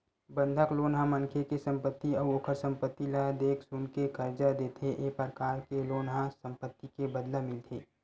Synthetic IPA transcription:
bə̃nd̪ʱəkloːnɦãməŋkʰekesə̃mpət̪ːiɔːoːkʰəɾsə̃mpət̪ːilad̪eːkʰsʊnkekɐɾd͡ʒad̪eːt̪ʰeʔeːpəɾkaːɾkeloːnɦãsə̃mpət̪ːikebɐd̪lamɪlt̪ʰeː

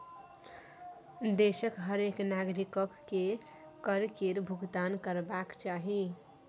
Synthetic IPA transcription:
d̪esəkɦəɾeknaɡɾikəkːe | kəɾkeɾbʱuɡt̪ankəɾbakt͡ʃaɦi

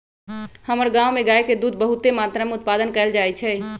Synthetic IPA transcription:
həməɾɡãwmeɡaeked̪ud̪bəɦut̪emat̪ɾameʊt̪̚pad̪ənkɛld͡ʒaɛt͡ʃʰɛ

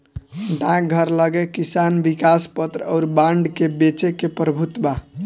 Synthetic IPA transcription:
ɖãk̚ɡʱəɾləɡɛkisanbikaspət̪ɾə̰ʊɾbãɳɖkebet͡ʃekepɾəbʱut̪ba

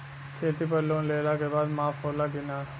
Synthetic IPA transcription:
kʰeːt̪ipəɾloːnleːlaːkebaːd̪maːfʰɦoːlaɡɪnaː

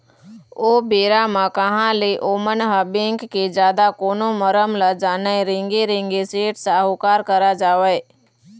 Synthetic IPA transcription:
oːbeːɾamãkəɦãleʔoːmənɦəbẽːŋkːed͡ʒjaːd̪akoːnoməɾəmləd͡ʒaːnəẽɾɪ̃ŋɡeɾẽŋɡeseːʈsaɦokaːɾkəɾad͡ʒaːʋəe

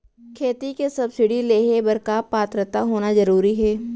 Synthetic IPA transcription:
kʰeːt̪ikesɐbsɪɽileːɦebɐɾkaːpaːt̪ɾət̪aɦoːnazɐɾuːɾiɦɛː

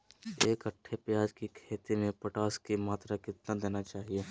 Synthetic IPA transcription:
eːkɐʈʰːepjaːd͡ʒkikʰeːt̪imẽpɐʈaːskimaːt̪ɾakɪt̪nad̪eːnat͡ʃaːɦieː

